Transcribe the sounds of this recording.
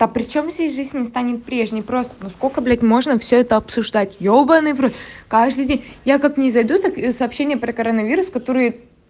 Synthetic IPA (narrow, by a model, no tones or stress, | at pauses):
d̪̥apɾʲɪt͡ɕo̞mzʲdʲesʲʐɨzʲnʲːɪst̪anʲɪt̪̚pɾʲe̞ʐnʲɪjpɾo̞st̪ə̥noskokəblʲætʲmo̞ʐnəfsʲɵɛt̪əɐpsʊʐd̪atʲjobənɨvɾutʲkaʐd̪ɨjdʲenʲjakaknʲɪzɐjd̪ut̪aksɐːpɕːenʲɪjəpɾəkɐɾənɐvʲiɾʊskɐt̪o̞ɾɨjə